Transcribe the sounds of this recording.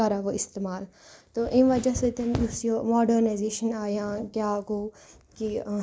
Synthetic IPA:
ɐɾaʋoɪst̪eːmaːl | t̪oʔĩmʋɐd͡ʒɐsot̪ɐnʊsjomɔːɖəɾnazeːʃənaːɦjãːkjaːɡoː | ki

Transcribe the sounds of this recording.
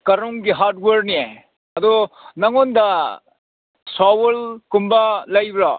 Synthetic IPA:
kɐɾoŋɡiɦaɾt̚weɾnie | ɐd̪ɔnɐŋonda | sawelkumbalajbɾa

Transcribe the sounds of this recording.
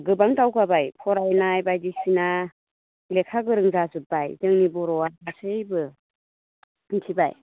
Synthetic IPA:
ɡɯbaŋtawɡabajpʰɔɾajnajbajdisina | lekʰaɡɯɾɯŋzazɯbajdɯŋnibɔɾɔaasɯjbɯ | ntʰiba̰j

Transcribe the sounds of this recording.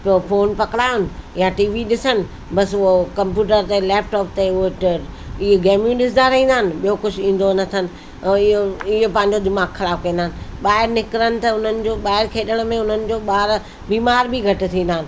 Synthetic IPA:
ppʰoːnpɐkɪɽaːjʊnɪ̆jãʈiːʋiɗɪsənɪ̆ | bɐsʊokɐ̃mpjuːʈəɾt̪eleːpʈɔːpt̪eʊʈ | ɪɦeɡeːmjũɗɪs̬d̪aɾɐɦĩːn̆d̪aːnɪ̆ɓijokʊd͡ʑʰʱĩːn̆d̪onɐt̪ʰənɪ̆ | ɪoɪɦopɐ̃ːɪ̃ɲ̆d͡ʑod̪ɪmaːɡxɐlaːfkɐĩnd̪aːɪnɪ̆ɓaːɦɪɾnɪkɪɾənɪ̆t̪ɐʊn̤ənɪ̆d͡ʑoːɓaːɦɪɾkʰeːɗəɽ̃mẽʊn̤ənɪ̆d͡ʑoːɓaːɾ | biːmaːɾbiɡʱɐʈɪ̆t̪ʰĩːn̆d̪aːnɪ̆

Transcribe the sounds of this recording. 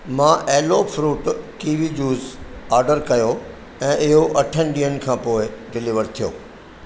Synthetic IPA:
mãːʔeːloːfɾuːʈkiːʋid͡ʑuːzaːɾɖəɾkɐjo | ɛ̃ːʔɪɦoʔɐʈʰənɪɗĩːənkʰãːpoːɪɖɪlɪʋəɾt̪ʰijo̰ː

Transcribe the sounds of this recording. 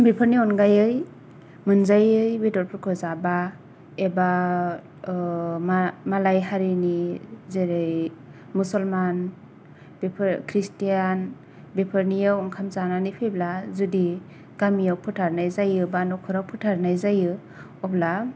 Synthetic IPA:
bepʰɯɾniɔnɡajɯj | mɯnzajɯjwedɔɾpʰɯɾkʰɯzaba | eba | mmalajɦaɾinizeɾɯj | musɔlman | bepʰɾkʰɾistijan | bepʰɯɾnijawɔŋkʰamzananipʰeblazudi | ɡ̥amijawpʰɯtʰaɾnajzajɯbanɔkʰɯɾawpʰɯtʰaɾnajzajɯ | ɔbla

